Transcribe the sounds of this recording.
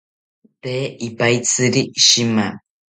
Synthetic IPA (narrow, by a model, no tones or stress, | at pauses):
t̪eːipajt͡sɨɾiʃima